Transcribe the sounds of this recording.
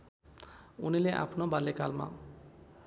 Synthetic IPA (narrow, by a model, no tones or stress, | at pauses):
unileʔa̰pʰnobalekalma̰